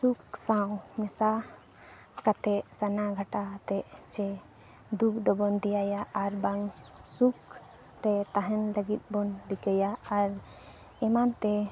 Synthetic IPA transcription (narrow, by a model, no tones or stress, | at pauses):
suksãwmɛsa | kat̪ʰɛʔsanaɡʱaʈat̪ɛʔt͡ʃɛ | d̪uk̚d̪ɔbɔnd̪ijajaʔːɾbaŋsuk | ɾɛt̪aɦɛnləɡit̪̚ˀbɔnbikəjaaɾ | ɛmant̪ɛ